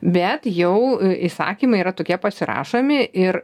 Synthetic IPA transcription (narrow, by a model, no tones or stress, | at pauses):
bʲɛt̪jɛʊisɑ̰ːkʲiːmɐɪiɾɐt̪oːkʲiɛpɐsʲɪɾɑ̰ːʃoːmʲɪʔɪɾ